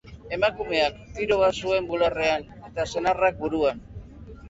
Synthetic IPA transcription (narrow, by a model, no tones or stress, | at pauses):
e̞makume̞akt̪iɾo̞βasue̞mbulare̞an | e̞t̪ase̞narak̚buɾuan